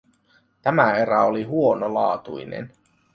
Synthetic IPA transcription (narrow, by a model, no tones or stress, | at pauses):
t̪æmæeɾæoliɦuonolɑ̰ːt̪ujnḛn